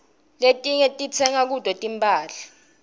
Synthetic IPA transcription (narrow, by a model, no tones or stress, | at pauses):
letʼiŋɛtʼit͡sʰɛŋak̬ud̥ʱɔtʼimpʼaːla